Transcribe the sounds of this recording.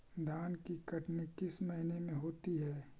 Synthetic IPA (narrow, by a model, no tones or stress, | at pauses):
d̪ʱaːnkikɐʈnikɪsmɐɦinemẽɦoːt̪iɦɛː